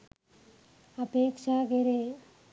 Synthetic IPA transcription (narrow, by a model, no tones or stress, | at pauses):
əpeːkʃakeɾe